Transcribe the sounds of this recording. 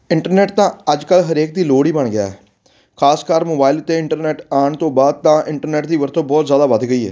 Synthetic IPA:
ɪɳʈəɾnɛːʈt̪ãːəd͡ʒkəlɦəɾeːk̚d̪iːloːɽiːbəɳɡɪa̰ːɛː | kʰaːskaːɾmoːbaːɪlʊt̪ːeːɪɳʈəɾnɛːʈaːɳt̪õːbaːd̪̚t̪ãːʔɪ̃ɳʈəɾnɛːʈ̚d̪iːʋəɾt̪ʰõːbɔːt̪zjaːd̪aːʋəd̪ɡəiːɛ̰ː

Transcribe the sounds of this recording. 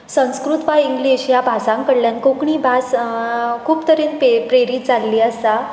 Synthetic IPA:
sə̃w̃skɾut̪ʋaiŋɡleɕijabʱasãŋkəɽljankokɳiːbʱas | kʰuːpt̪əɾenpepɾeɾiːt̪̚d͡zalːiːəsa

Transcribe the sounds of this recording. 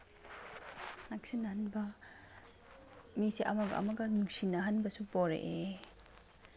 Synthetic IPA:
nak̚sinːɐhanbɐ | misiʔɐmɐɡɐ̰ɐ̰mɐɡɐnuŋsinɐɦanbɐsupoɾḛʔe

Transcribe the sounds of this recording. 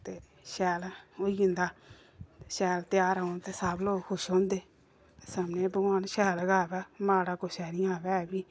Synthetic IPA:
t̪eː | ʃɛːloiʊ̃nd̪aː | ʃɛːlt̪ɪjaːɾaʊ̃nt̪eːsabloːɡkʰʊʃõːnd̪eː | esəmneːbəɡaːnʃɛːləɡaːʋɛːmaːɽaːkoʃɛːɾĩːaːʋɛːbiː

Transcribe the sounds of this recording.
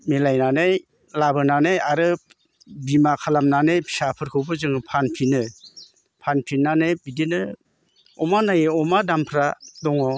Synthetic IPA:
melajnanaj | labɯnanajaɾɯ | bimakʰalamnanɯjpʰi̥sapʰɯɾkʰɯwbɯzɯŋɯpʰanpʰinɯ | pʰanpʰinːanɯjbidinɯ | ɔmanajɯɔmadampʰɾadɔŋɔ

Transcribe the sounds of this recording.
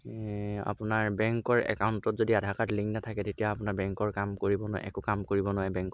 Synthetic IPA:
a̰pʊnaɹbɛŋkɔɹɛ̰kaʊntɔtzodiadʱakatliŋnatʰakɛtetijaapʊnaɹbɛŋkɔɹkamkoɹibɔnʊa̰ɛ̰kʊkamkoɹibɔnɔɛbɛŋk

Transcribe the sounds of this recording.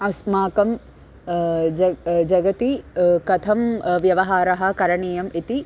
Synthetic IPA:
ɐsmaːkɐm | d͡ʒɐd͡ʒɐɡɐt̪ikɐt̪ʰɐmʋjɐʋɐɦaːɾɐɦɐ̆kɐɾɐɳiːjɐmit̪i

